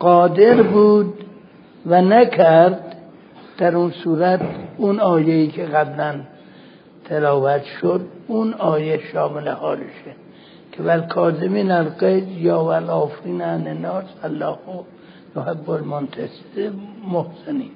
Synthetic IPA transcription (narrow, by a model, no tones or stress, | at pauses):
ɡ̥ɒːd̪eɾbuːd̪ | vænækʰæɾd̪ | d̪̥æɾunsuːɾæt̪ʰunɒːjeiːkʰeɣæblæn | t̪ʰelɒːvæt̪ʃod̪̚unɒːjeʃɒːmelehɒːleʃe | kʰevælkʰɒːzemiːnælɡejzjɒːvælɒːfɾiːnænenɒːsælːɒːho | johebːolmont̪ʰæse̥d̪emohseniːn